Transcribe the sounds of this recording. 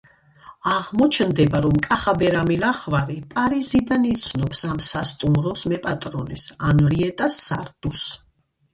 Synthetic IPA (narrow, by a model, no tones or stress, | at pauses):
aʁmɔt͡ʃʰnd̪ɛbaɾɔmkʼaχabɛɾamilaχvaɾipʼaɾizid̪anit̪sʰnɔpsamsast̪ʼumɾɔsmɛpʼat̪ʼɾɔnɛsanɾiɛt̪ʼasːa̰ɾd̪̥us